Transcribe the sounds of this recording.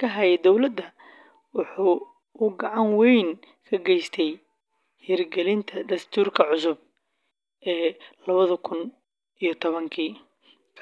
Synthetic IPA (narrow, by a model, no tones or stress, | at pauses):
kʰɐɦɐjɛd̪ɔwlɐd̪ːɐ | wɑħuː | ɡɑʕɑnwɛjn | kʰɐɡɛjst̪ʰɛj | hirɡɛlɪnt̪ʰɐd̪ɐst̪ʰuːrkʰɐʕʊs̬ʊb̚ | ʔɛːlɐβɐðɐkʰʊn | ʔijɞt̪ʰɔβɐŋkʰiː